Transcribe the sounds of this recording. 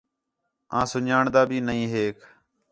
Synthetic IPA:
ãːsʊɲaːɳd̪aːbʱiːnəĩːɦeːkʰ

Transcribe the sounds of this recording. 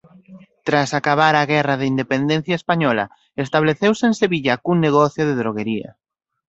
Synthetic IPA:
t̪ɾasakaβ̞aɾaɣɛraðeind̪epend̪ẽn̟θjaespaɲɔla̰ | est̪aβleθewseenseβiʎakuŋneɣɔθjʊðeðɾoɣeɾiɐ̰

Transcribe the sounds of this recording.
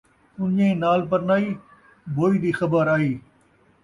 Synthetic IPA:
ʊnɲẽnaːlpəɾnaːiː | bʱoːid̪iːxɐbəɾaːɦiː

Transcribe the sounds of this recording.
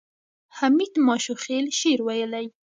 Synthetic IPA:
hamid̪mɑʃoxelʃeɾwajəlaj

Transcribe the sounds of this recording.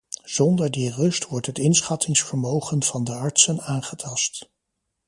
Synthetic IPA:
z̥ɔndəɹdirɵstʋɔɹtɦətɪnsχɑtʰɪŋsfəɹmowχənv̥ɑndəɑɹtsənaːnχətʰɑst

